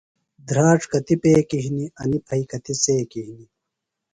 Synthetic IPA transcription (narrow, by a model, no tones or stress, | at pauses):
d̪ɾaːʈ͡ʂkɐt̪ipeːkiɦiniɐnipʰɐjkɐt̪iseːkiɦini